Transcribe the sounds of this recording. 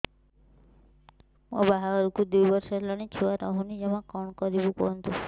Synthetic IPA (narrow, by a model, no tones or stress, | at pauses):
mɔ̰̃baɦaɾukũd̪ujbɔɾʃelaɳ̃it͡ʃʰuaɾaɦũnid͡ʒemãkɔɳkɔɾibũkɔ̰nt̪u